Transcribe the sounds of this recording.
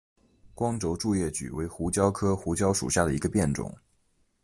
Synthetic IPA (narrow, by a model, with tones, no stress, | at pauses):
kwɑ˥ŋʈ͡ʂo˧˥ʊʈ͡ʂu˥˧jɛ˥˩t͡ɕy̰˨˩we˧˥ɪxu˧˥t͡ɕjɑ˥ʊkʰɤ˥xu˧˥t͡ɕjɑ˥ʊʂṵ˨˩ɕja˥˩d̪ə˩i˧˥ɡə˧pjɛ˥˩nʈ͡ʂʊ̰˨˩˦ŋ